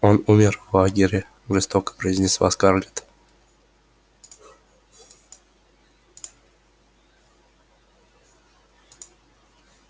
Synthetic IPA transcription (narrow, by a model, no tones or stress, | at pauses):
onumʲɪrvlˠaɡʲɪɾʲɪ | ʐɨst̪okə̥pɾəɪzʲnʲɪst̪va̰skarlʲɪt̪